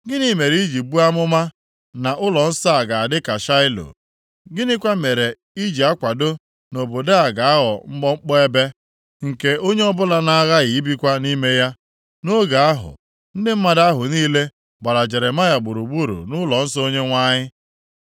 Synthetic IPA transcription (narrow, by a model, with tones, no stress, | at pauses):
ɡɪ˦ni˦me˨ɾi˦d͡ʒi˨bu˦a˦mʊ˦ma˦ | na˨ʔʊ˦lɔ˨n̩˦sɔ˦a˨ɡa˨a˨dɪ˦ka˨ʃa˦ɪ˦lo̰˨ | ɡɪ˦nɪ˦kʷa˦me˨ɾe˨ | i˦d͡ʒi˨a˦kʷa˨do˦ | no˨bo˨da˦a˨ɡa˨a˦ɦɔ˨ŋ͡m̩˦ɡ͡bɔ˦ŋ͡m̩˦k͡pɔ˦e˦be˦ | ŋ̩˨ke˦o˦ɲe˦ɔ˦bʊ˦la˦na˦ɣa˦ɣi˨i˦bi˦kʷa˦ni˦me˦ja˦ | no˦ɡa˨a˦ɦʊ̰˨ | n̩˦dɪ˦m̩˦ma˦da˦ɦʊ˨niː˦le˦ | ɡ͡ba˨ɾa˨d͡ʒe˨ɾe˨ma˦ja˨ɡ͡bu˨ɾu˨ɡ͡bu˦ɾṵ˨nʊ˦lɔ˨n̩˦sɔ˦o˦ɲe˦ŋʷa˦ɲɪ˦